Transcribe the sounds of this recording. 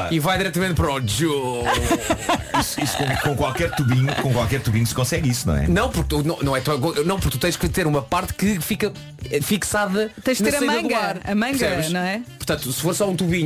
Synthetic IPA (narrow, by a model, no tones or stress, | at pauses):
aivajðiɾɛt̪ɐmẽnt̪̚pɐɾɔd͡ʒo | isu̥iskõkõkwalˠkɛɾt̪uβiɲukõkwalˠkɛɾt̪uβiɲusɨ̥kõsɛɣisunɐ̰̃w̃ɛ̰nɐ̃w̃puɾk̚t̪unɐ̃w̃nɐ̃w̃ɛt̪uɐkõnɐ̃w̃puɾkt̪ut̪ɐ̃j̃ʃkɨt̪eɾumɐpaɾt̪kɨfikɐ | fiksaðɐt̪ɐ̃j̃ʃkneɾɐsmɐ̃ɡɐaɾɐmɐ̃ɾɡsɛβʃnɐ̃w̃ɛpuɾt̪ɐ̃nt̪usɨ̥foɾsɔũt̪uβiɲ